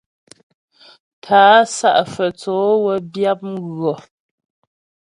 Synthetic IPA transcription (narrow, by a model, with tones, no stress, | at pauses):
tʰaː˨˦sa̰˦ʔfə˨t͡sɔː˨˦wə˦bja˦p̚ɣɰɔ˨